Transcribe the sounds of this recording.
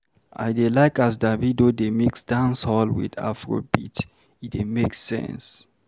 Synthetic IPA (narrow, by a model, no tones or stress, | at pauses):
ʔa̰ɪdelaɪkas̬davidodemiksdãnshɔlwḭda̰fɹo̰bit | idemeksːɛ̰̃ns